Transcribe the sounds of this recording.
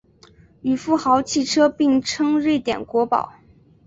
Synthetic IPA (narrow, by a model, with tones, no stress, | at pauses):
y˨˩fu˥˩xɑ˧˥ʊt͡ɕʰi˥˩ʈ͡ʂʰɤ˥pi˥˩ŋʈ͡ʂʰɤ˥ŋɻe˥˩ɪt̪jɛ̰˨˩nkwɔ˧˥pɑ̰˨˩˦ʊ